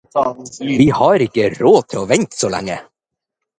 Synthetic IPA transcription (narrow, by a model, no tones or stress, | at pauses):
ʋiːhɑːɾɪkːəɾoːt̪ʰɪlɔːʋɛnt̪soːlɛ̰ŋːə̰